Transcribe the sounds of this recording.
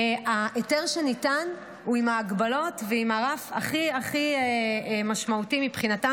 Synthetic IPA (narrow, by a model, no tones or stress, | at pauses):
aʔeteʁʃenitan | uimaːɡbalo̞tveimaʁafa̰χiaχiemaʃmautimipχinata